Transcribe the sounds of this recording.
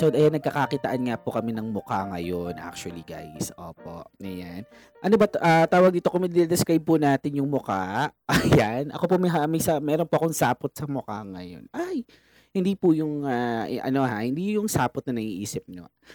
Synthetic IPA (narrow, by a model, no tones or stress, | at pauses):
sɐd̪ɐjanɐɡ̚kɐkakɪt̪ɐʔanŋapʊkɐmɛnɐŋmʊkaŋɐjonʔa̰k̚t͡ʃʊɐliɡa̰jsʔoːpoʔɐjan | ʔɐnobɐt̪ʔat̪aːwɐɡ̚d̪iːt̪okomɪd̪ɪnɛd̪ɪskɾajb̚pʊnaːt̪ɪnjʊŋmʊkaɐjanʔɐ̰ko̞pomɐɦamɐjsɐmɛːɾonpoɐkoŋsaːpot̪̚sɐmʊkaŋɐjo̰nʔaj | hɪnd̪iːpʊjʊŋaʔɐ̰no̞ɦahɪnd̪ijʊŋsaːpot̪̚nɐnɐɡiʔiːsɪp̚ɲo̰